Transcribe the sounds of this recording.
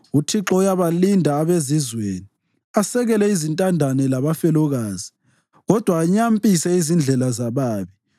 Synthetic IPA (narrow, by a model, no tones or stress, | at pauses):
utʰiǁɔujaβalindʱaːβezizweːni | asɛɣɛlɛizintʼandʱanɛlaβafɛlɔɣaːzi | ɣɔd̥ʱwaːɲampʼisɛizind͡ɮʱɛlazaβaːβi